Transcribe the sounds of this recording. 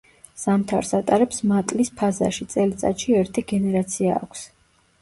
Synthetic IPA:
samt̪ʰaɾsat̪ʼaɾɛpsmat̪ʼlispʰaza̰ʃit̪sʼɛlit̪sʼa̰t̪ʃiɛɾt̪ʰiɡɛnɛɾat̪sʰia̰ːkʷʰs

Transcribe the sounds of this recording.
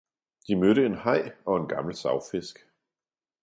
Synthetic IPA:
d̥imøɾəenhɑ̈ɪ̰ɒ̽e̝nɡ̥ɑ̈ml̩sɑ̈ʊfe̝sɡ̥

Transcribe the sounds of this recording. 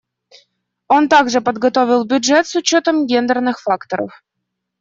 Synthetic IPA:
ont̪ɑɡʐɨpəd̪ɡɔt̪ovʲilˠbʲudʐɛt̪sʊt͡ɕːot̪əmɡʲend̪ərnɨxfakt̪oɾə̰f

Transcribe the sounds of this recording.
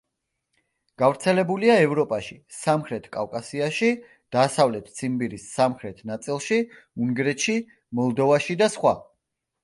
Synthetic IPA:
ɡ̥avɾt̪sʰɛlɛbuliaɛvɾɔpʼaʃisamχɾɛt̪ʰkʼavkʼasiaʃi | d̪̥aːsavlɛt̪ʰt̪sʰimbiɾisːamχɾɛt̪ʰnat̪sʼilˠʃi | uŋɡɾɛt̪ʃi | mɔlˠd̪ɔvaʃid̪asχwa

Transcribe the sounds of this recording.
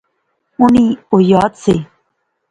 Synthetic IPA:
ʊniːojaːt̪seː

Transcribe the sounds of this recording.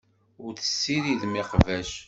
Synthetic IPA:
ʊɾθə̥sːiɾiðmiqvæʃ

